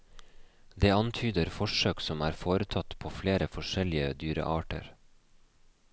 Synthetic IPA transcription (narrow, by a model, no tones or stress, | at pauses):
d̪eːɑnt̪ʰyːd̪əɾfɔʃøːksɔmæːɾfoːɾət̪ʰɑt̪pʰoːfleːɾəfɔʃɛlɪəd̪yːɾə̰ʔɑːʈə̰ɾ